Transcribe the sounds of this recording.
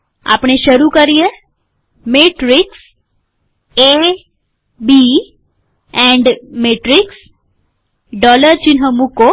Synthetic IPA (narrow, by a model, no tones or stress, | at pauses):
a̰pɳ̃eʃəɾukəɾie | meʈɾɪks | e | bi | ɛ̃ɳɖmeʈɾɪks | ɖɔləɾt͡ʃɪnɦə̃muko